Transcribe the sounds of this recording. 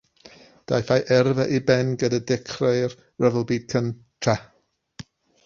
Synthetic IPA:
d̥a̰jfajʔɛrvəʔibɛnɡədadɪkʰrejr | rəvəlˠbiːd̥̚kʰən | tʰra

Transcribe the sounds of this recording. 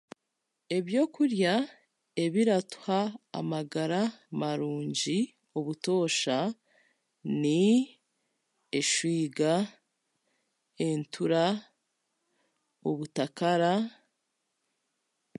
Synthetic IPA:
e̞βjo̞ːkuɾja | e̞βiɾatu̥ha̰ːmaɡaɾamaɾuːɲɟi | oβuto̞ːʃa | ni | eʃwiːɡa | e̞ntʰuɾa | oβutakaɾa

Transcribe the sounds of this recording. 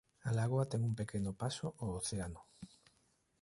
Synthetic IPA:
alaɣwat̪ɛŋumpekenʊpasoʔooθeanʊ

